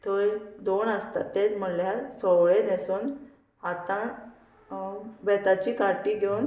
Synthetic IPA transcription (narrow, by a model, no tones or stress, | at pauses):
t̪əd̪onəst̪a̰t̪ːed͡zm̤əljaɾsɔʋɭed̪esuːn | at̪a | bɛt̪at͡ɕiːkaɾʈiːɡʱewn